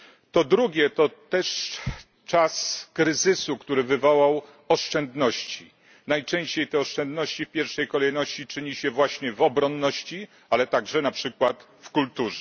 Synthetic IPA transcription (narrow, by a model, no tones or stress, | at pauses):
t̪ɔd̪ɾuɡʲjɛt̪ɔt̪ɛʂ | t͡ʂaskɾɘzɘsukt̪uɾɘvɘvɔwaw | ɔʂt͡ʂɛnd̪nɔɕt͡ɕi | najt͡ʂɛ̃ɲ̃ɕt͡ɕejt̪ɛɔʂt͡ʂɛnd̪nɔɕt͡ɕifpʲjɛɾfʂɛjkɔlɛjnɔɕt͡ɕit͡ʂɘɲiɕɛvwaɕɲɛvɔbɾɔnːɔɕt͡ɕi | alɛt̪aɡʐɛnapʂɘkwat̪ | fkult̪uʐɛ